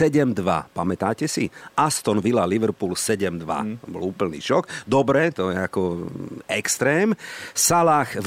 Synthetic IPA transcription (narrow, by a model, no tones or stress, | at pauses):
ɛɟɛmd̪ʋa̰pamɛt̪aːcɛsiʔast̪ɔnʋilaliʋɛɾpuːlsɛɟɛmd̪ʋa̰t̪ɔbɔ̰luːpl̩nḭːʃɔkd̪ɔbɾɛt̪ɔjɛakɔɛkst̪ɾɛːmsalaːxʋ